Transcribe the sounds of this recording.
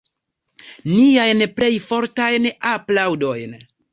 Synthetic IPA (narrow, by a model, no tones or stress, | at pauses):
niajnple̞jfo̞ɾtajnaplawdo̞jn